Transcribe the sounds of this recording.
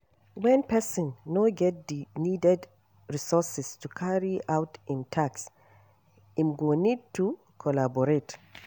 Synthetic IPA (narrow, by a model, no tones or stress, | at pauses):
wɛ̃npɛsɔ̃nːoɡɛt̚dinidɛd | ɹisɔsɛstukʰaɹiawtɪ̃ntʰaks | ĩmɡonid̚tʰu | kʰɔlabɔɹet